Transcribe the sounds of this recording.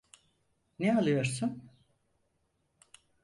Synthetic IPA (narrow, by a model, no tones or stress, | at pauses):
nɛalˠɯjo̞ɾsun